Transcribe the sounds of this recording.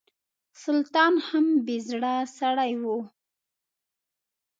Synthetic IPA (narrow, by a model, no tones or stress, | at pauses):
sʊlt̪ɑnhambezɽasaɽajwu